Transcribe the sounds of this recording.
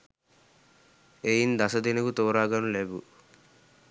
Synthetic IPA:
eːjind̪ɐsɐd̪inɐkut̪ɔːɾaːɡɐnuleːbṵ

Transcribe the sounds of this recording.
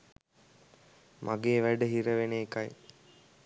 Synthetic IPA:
mʔaɡeːʋæɖəɦiɾəʋeneːkaj

